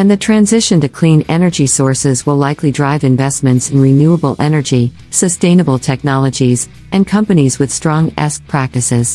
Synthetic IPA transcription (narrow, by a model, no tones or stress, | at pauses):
ɨ̃nðɨtʰɹ̥æ̃nzɪʃɨ̃ntɨkʰl̥ĩnɛnə˞d͡ʒisɔɹsɪzwəlˠlaɪklidɹaɪvɨ̃ɱvɛsmɨ̃ntsɨ̃nɹɪnjuəbl̩ˠɛnə˞d͡ʒi | sɨstẽɪ̃nəbl̩ˠtʰɛk̚nɑlˠəd͡ʒiz | ɨ̃nkʰʌ̃mpɨnizwɨð̥stɹ̥ɔ̃ŋɛ̰sk̚pʰɹ̥æk̚tɨsɪz̥